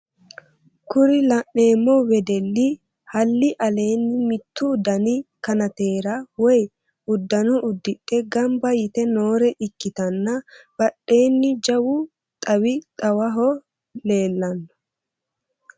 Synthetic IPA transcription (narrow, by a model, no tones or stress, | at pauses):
kʊɾɪlɐʔne̞ːmːɔwɛd̪ɛlːɪ | hɐlːɪʔɐle̞ːnːɪmɪt̪ːʊːd̪ɐnɪkɐnɐt̪e̞ːɾɐwɔj | ʊd̪ːɐnɔʔʊd̪ːɪʔʼɛɡɐmbɐjɪt̪ɛnoːɾɛʔɪkːɪt̪ɐnːɐb̥ɐɗe̞ːnːɪd͡ʒɐwʊ | t̪ʼɐwɪt̪ʼɐwɐɦɔ | le̞ːlːɐnːɔ̥